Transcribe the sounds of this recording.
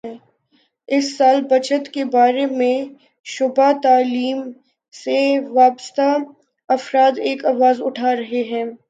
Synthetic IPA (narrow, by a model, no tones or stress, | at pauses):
ɪsːaːlbɐt͡ʃət̪kebaːɾemẽ | ʃʊbat̪aːliːm | seʋaːpəst̪a | ɐfɾaːd̪eːkaːʋaːzʊʈʰaːɾɐɦeɦɛ̃ː